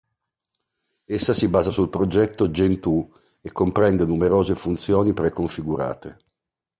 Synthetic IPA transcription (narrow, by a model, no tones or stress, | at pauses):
esːasibaːzasulpɾod͡ʒɛt̪ːod͡ʒent̪u | ekːompɾɛnd̪enumeɾoːzefunt̪sjoːnipɾekoɱfiɡuɾa̰ːt̪e